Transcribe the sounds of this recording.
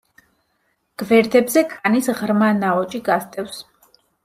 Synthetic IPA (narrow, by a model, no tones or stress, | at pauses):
ɡ̥vɛɾd̪ɛbzɛkʰʼanisʁɾmanaɔt͡ʃʼiɡast̪ʼɛfs